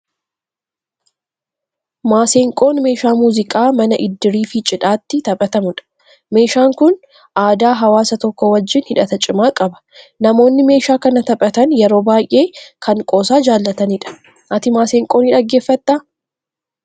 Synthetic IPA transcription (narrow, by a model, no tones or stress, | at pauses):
maːseːŋkʼo̞ːnme̞ːʃaːmuːzɪkʼaːmɐnɐʔɪd̪ːɪɾiːfɪt͡ʃʼɪᶑaːt̪ːɪt̪ɐpʼɐt̪ɐmʊᶑɐ̥ | me̞ːʃaːŋkʊn | ʔaːd̪aːɦɐwaːsɐt̪ɔkːɔwɐd͡ʒːɪnhɪᶑɐt̪ɐt͡ʃʼɪmaːkʼɐbɐ̥nɐmo̞ːnːɪme̞ːʃaːkɐnɐt̪ɐpʼɐt̪ɐnjɛɾo̞ːbaːjʔe̞ːkʰɐŋkʼo̞ːsaːd͡ʒaːlːɐt̪ɐnɪᶑɐ̥ | ʔɐt̪ɪmaːseːŋkʼoːniːᶑɐɡːe̞ːfːɐt̪ːaː